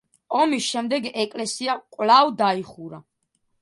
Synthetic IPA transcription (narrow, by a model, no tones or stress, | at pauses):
ɔmisʃɛmd̪ɛɡɛkʼlɛsiakʼwlavd̪aiχuɾa